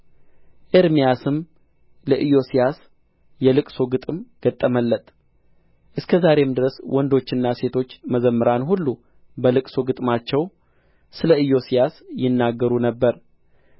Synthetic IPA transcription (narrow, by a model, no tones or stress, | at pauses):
ʔeɾmijasɨm | ləʔɨjo̞sijas | jɛlɨkʼso̞ɡɨt̪ʼɨmɡ̥ət̪ʼːəməlːət̪ʼ | ʔɨskʰəzaɾe̞md̪ɨɾəswɔnd̪o̞t͡ʃːɪnːase̞t̪ʰo̞t͡ʃːməzəmːɨɾanɦulːu | bəlɨkʼsoɡɨt̪ʼmat͡ʃːɛw | sɨləɨjo̞sijasjɪnːaɡːəɾunəbːəɾ